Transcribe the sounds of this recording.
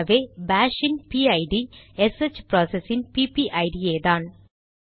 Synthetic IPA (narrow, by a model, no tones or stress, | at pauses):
ʋebaːʂinpiɐjɖieset͡ʃːpɾoːsesinpipiʔɐjɖijeːðaːn